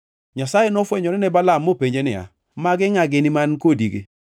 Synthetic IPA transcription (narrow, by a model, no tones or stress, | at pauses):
ɲasajenɔfwɛɲɔnɛnɛbalamːopeɲd͡ʒenɪa̰ | maɡɪŋaɡɪnɪmankodiɡḛ